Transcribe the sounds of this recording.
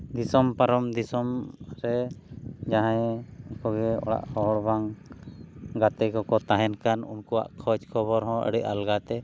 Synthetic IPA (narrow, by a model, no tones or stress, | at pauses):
d̪isɔmpaɾɔmd̪isɔmɾɛ | d͡ʒaɦãjkɔɡɛɔ̰ɽa̰ʔhɔɦɔɽbaŋ | ɡat̪ɛkɔkɔt̪aɦɛnkanunkɔwa̰ʔkʰɔt͡ʃkʰɔβɔɾɦɔ̃ə̰ɽɛʔa̰lɡat̪ɛ